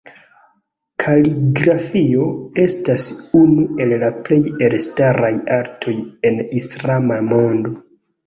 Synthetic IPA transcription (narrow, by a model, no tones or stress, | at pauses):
kʰaliɡɾafio̞e̞stasunue̞lːaple̞jelstaɾajaɾtʰo̞je̞nislamamo̞ndo̞